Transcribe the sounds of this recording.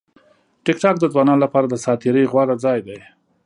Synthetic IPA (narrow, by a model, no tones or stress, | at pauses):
ʈɪkʈɑk̚d̪əd͡zwɑnɑnlapɑɾad̪əsɑt̪ɪɾəjɣwɑɾad͡zɑjd̪aj